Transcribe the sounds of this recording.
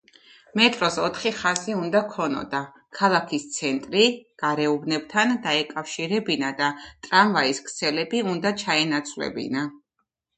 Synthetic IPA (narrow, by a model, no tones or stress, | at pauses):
mɛt̪ʼɾɔsɔt̪ʰχiχaziund̪akʰɔnɔ̰d̪a | kʰalˠakʰist̪sʰɛnt̪ʼɾiɡ̥aɾɛubnɛb̚t̪ʰand̪aɛkʼafʃiɾɛbinad̪at̪ʼɾamvaiskʰt̪sʰɛlɛbiund̪at͡ʃʰaɛnat̪sʰvlɛ̰bḭna